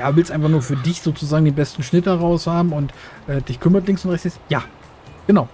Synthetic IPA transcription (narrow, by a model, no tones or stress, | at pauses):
jaːdvɪlstʔaɪnfaχnuːɐfyːɐdɪçz̥oːt͡suzaːɡŋdeːnbɛstn̩ʃnɪt̚dɐʁaʊshaːbm̩ʊntʔɛːdɪçkʰʏmɐtlɪŋsʊntʁɛçt͡sɛt͡sjaː | ɡ̥ənaʊ